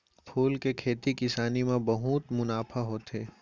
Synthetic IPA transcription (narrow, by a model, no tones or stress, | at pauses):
pʰuːlkekʰeːt̪ikɪsaːnimẽbɐɦut̪mʊnaːfʰaɦoːt̪eː